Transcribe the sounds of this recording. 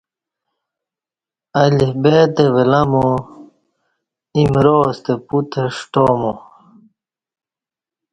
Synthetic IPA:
ɐlibeːt̪ewelɐmo | imɾoːst̪eput̪ʰeʂʈoːmo

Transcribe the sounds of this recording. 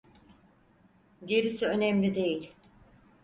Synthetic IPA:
ɟe̞ɾisiø̞nɛmlʲid̪e̞jilʲ

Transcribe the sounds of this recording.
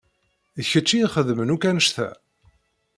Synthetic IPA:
əçət͡ʃːiχəðmənukænəʃθæ̰

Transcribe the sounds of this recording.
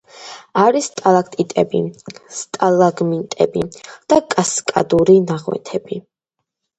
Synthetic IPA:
aɾist̪ʼalakʰʼt̪ʼit̪ʼɛbist̪ʼalaɡmint̪ʼɛ̰bid̪̥akʼaskʼa̰d̪uɾinaʁwɛ̰t̪ʰɛbi

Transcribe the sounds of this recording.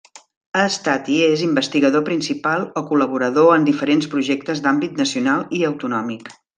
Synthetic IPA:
əst̪at̪iezimbəst̪iɣəðopɾinsipalˠɔkuləβ̞uɾəðoənd̪ifəɾenspɾuʒɛk̚t̪əzd̪ambit̪nəsiunalˠiəwt̪unɔmik

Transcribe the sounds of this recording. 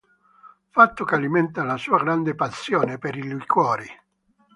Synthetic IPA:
fat̪ːʊkalimɛnt̪alasuːaɡɾand̪epasjɔːnepeɾiluikwɔːɾi

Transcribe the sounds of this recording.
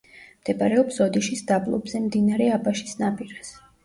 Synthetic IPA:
md̪̥ɛbaɾɛɔpsɔd̪iʃisd̪ablˠɔ̰bzɛmd̪inaɾɛabaʃisnapʼiɾas

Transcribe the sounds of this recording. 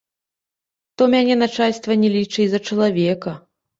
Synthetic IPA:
t̪ɔmʲanʲɛnat͡ʂalʲst̪vɐnʲɛlʲit͡ʂɨjzɐt͡ʂɐlˠavʲɛkɐ

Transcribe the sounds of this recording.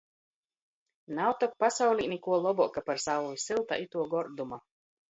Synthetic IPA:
nawt̪ɔk̚pasawlʲiːnʲikuɔlˠɔbɔkapaɾsavusilˠt̪a̰ʔit̪uɔɡɔɾd̪uma

